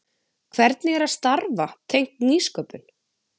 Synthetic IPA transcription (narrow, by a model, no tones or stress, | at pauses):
kʰvɛɾt̪nɪɛɾaðst̪aɾvat̪ʰejŋ̥t̪niːskœːpʏn